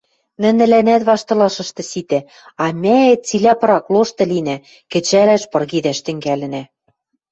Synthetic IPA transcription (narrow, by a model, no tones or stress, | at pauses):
nɘ̆nɘ̆lænæt̪βɑʃt̪ɤ̆lɤʃɤ̆ʃt̪ɤ̆sit̪æ | ɑmʲæet͡silʲæpɤ̆ɾɑkloʃt̪ɤ̆linæ | kɘ̆t͡ɕælæʃpɤ̆rɣid̪æʃt̪ɘ̆ŋɡælɘ̆næ